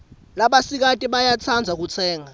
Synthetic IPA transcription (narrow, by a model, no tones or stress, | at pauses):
laɓasik̬atʼiɓajat͡sʰand͡zʱak̬ut͡sʰɛːŋa